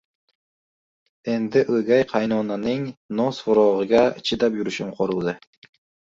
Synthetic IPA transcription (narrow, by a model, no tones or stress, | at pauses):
e̞nd̪ɪʔɵɡʲajqʰɑjnɒnanɪŋnosvʊɾɒʁɨɡʲat͡ʃʰɪd̪apjʊɾɪʃɪmqʰoɾɨlˠd̪ɪ